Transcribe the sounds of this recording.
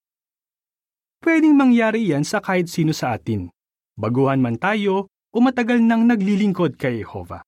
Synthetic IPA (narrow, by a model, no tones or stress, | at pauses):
pwɛːd̪ɪŋmɐŋjaːɾɪjansɐkaːhɪt̪̚siːno̞sɐʔaːt̪ɪn | bɐɡuːhɐnmɐnt̪aːjo̞ | ʔomɐt̪ɐɡɐlnɐŋnɐɡlilɪŋko̞d̪̚kɐjhɛho̞̰ːvɐ̰